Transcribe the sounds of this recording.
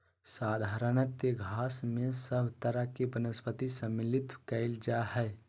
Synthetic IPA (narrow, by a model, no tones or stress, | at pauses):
saːd̪ʱaːɾənət̪jəɡʱaːsmẽsəbʱt̪əɾakebənəspət̪isə̃mːɪlit̪kəɪld͡ʒaɦɛɪ